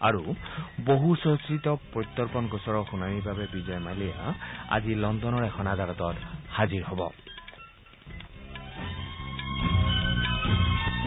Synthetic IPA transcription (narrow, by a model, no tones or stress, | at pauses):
a̰ɹuboɦusoɦsit̪ɔpɹɔt̪ːɔlpɔnɡɔsɔɹɔxunanibʱabɛbizɔjmalija̰a̰zilɔndɔnɔɹɛkʰɔnad̪aɾɔt̪ɔtxaziɹɦɔbɔ̰